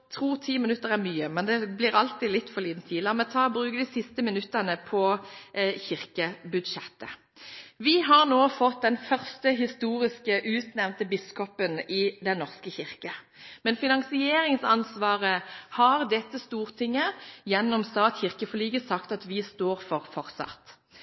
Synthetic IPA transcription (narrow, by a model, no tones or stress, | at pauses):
t̪ʰʁuːʁt̪ʰiːmɪnʉt̪ːəʁæɾmyːəmɛnd̪ɛblɪʁɑlt̪ilɪt̪ːfɔliːt̪nt̪ʰiːlɑmɛt̪ʰɑːbʁʉːkəd̪isɪst̪əmɪnʉt̪ːənəpʰɔ | çɪʁkəbʉd̪ʂɛt̪ːə | ʋɪɦɑʁnoːfɔt̪̚d̪ɛnfœʁst̪əɦɪst̪uːʁɪskəʔʉːt̪nɛʋnt̪əbɪskɔpənɪd̪ɛnːɔʁskəçɪʁkə | mɛnfɪnɑŋsɪeːɾɪŋsɑnsʋɑːʁəhɑʁd̪ɛt̪ːəst̪uːʁt̪ʰɪŋːəjɛnːɔmst̪ɑːt̪çɪʁkəfɔlyːɡəsɑkt̪ɑt̪ʋɪst̪oːʁfɔʁfɔʁsɑ̰t̪